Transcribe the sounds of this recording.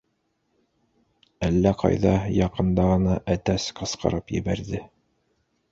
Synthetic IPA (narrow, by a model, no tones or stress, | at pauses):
ælːæqʰɑ̰jðɑjɑqɤ̆nd̪ɑʁɤ̆nɑʔæt̪æsqɤ̆sqɤ̰̆ɾɤpjɘ̰̆βæɾðɘ